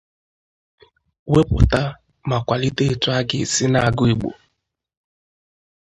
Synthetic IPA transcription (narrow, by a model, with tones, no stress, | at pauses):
we˦pʊ̰˨ta˦ | ma˨kʷa˨li˦te˦e˨tʊ˦a˦ɡɪ˨sɪ˦na˨ɡʊ˦i˨ɡ͡bo̰˨